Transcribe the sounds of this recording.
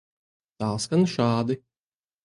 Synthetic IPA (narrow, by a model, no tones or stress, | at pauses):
t̪aːskanʃaːd̪i